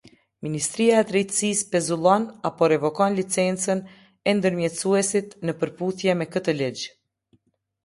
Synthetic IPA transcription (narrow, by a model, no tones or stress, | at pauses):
minist̪ɾiaɛt̪ɾɛjt̪sispɛzulˠɔnapɔɾɛvɔkɔnlit͡sɛnt͡sən | ɛnd̪əɾmjɛt̪suɛsit̪nəpəɾpuθjɛmɛkət̪əlid͡ʑ